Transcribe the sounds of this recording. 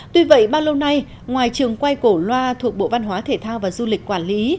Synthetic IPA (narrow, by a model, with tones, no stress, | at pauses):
t̪wi˧və̰˧˨jɓaː˧wlə˧wna˧j | ŋwaː˨˩jt͡ɕɨ˨˩əŋkwa˧jko˧˩lwaː˧t̪ʰu˨˩ək̚ɓo̰˧˨va˧nɦwaː˨˦t̪ʰe˧˩t̪ʰaː˧wvaː˨˩zu˧lï˨˩k̟̚kwaː˧˩nli˨˦